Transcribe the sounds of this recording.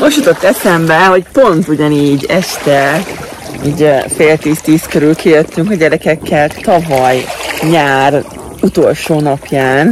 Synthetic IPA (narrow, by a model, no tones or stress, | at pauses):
moʃjut̪ot̪ːɛsɛmbɛho̞cpo̞nt̪uɟɒniːɟɛʃt̪ɛ | iːɟfeːlt̪iːst̪iːskøɾylkijøt̪ːyŋkɒɟɛɾɛkɛkʰːɛlt̪ɒvɒjɲaːr | ut̪o̞lʃoːnɒpjaːn